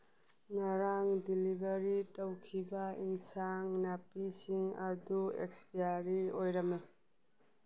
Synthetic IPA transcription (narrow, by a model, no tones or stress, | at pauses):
ŋaɾaŋdilibɐɾitɐwkʰibɐiŋsaŋnapisiŋɐduḛkspiaɾiojɾɐme